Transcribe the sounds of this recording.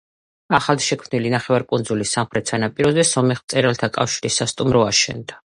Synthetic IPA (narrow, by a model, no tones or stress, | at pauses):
aχalˠd̪ʃɛkʰmnilinaχɛvaɾkʼund̪zulisːamχɾɛt̪ʰsʰanapʼiɾɔzɛsɔmɛχmt̪sʼɛɾalt̪ʰakʼafʃiɾisːast̪ʼumɾɔaʃɛ̰nd̪a